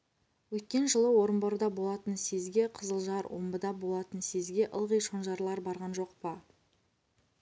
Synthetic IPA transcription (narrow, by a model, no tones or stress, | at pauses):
wɵt̪̚kʲe̞nʒəlˠəwo̞ɾəmboɾəd̪ɑbo̞lˠɑt̪ənse̞zɡʲe̞qʰəzəlˠʒɑɾwo̰mbəd̪ɑbo̞lˠɑt̪ənse̞zɡʲe̞ʔə̰lˠʁəjʃo̞nʒɑɾlˠɑɾbɑɾʁɑnʒo̞qpə